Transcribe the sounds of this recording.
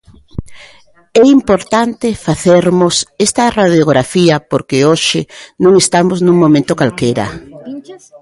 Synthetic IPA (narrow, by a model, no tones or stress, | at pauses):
ɛimpoɾt̪ant̪efaθeɾmʊsɛst̪ɐraðjoɣɾafiɐpoɾkeoʃɪnõŋest̪amoznũŋmõmẽnt̪ʊkalkejɾɐ̰